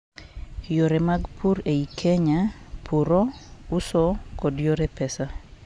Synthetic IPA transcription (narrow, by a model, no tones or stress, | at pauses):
joɾemaɡpʰuɾeikʰeɲapʰuɾɔusɔkɔdjoɾɛpɛsa